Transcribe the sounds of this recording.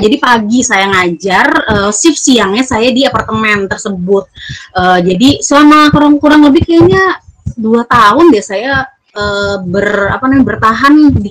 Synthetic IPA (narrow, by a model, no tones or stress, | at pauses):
d͡ʒadipaɡisajaŋad͡ʒarəːsɪfsiaŋɲasajadiapart̪əmɛnt̪ərsəbʊt̪̚əːd͡ʒadislamakoɾaŋkuɾaŋləbɪhkajaɲaduat̪aɦʊndiasaja | əːbəra̰panamabərt̪aɦandi